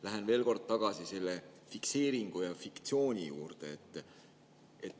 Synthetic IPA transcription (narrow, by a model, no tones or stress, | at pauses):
læɦenve̞ːlko̞rd̪̚t̪ɑɡ̥ɑsise̞lːe̞fikse̞ːɾiŋɡ̥ujɑfikt̪sio̞ːnʲijṵːrd̪̥e̞ːt̪ːˑ | et̪ːˑ